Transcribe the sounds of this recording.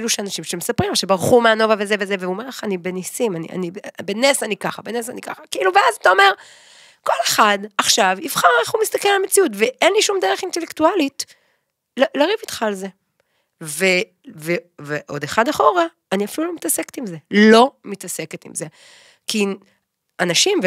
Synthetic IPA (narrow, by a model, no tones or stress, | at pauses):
luʃeanaʃimʃemesapʁimvoʃebaʁχumeano̞vave̞zeve̞zeveumeʁlaχanibenisimanḭa̰nibbenesanikaχabenes̬anika̰χakiiluveazatao̞me̞ʁ | ko̞le̞χadaχʃavifχaʁeχumist̪akelalamet͡siut̬veʔenliʃumd̪eʁeχintelektualit | llaʁivitχalze̞ | ve | veveʔo̞deχadaχo̞ʁaːniafilulumitase̞ktimze̞lo̞mitase̞ke̞tḭmze̞ | ki | anaʃimv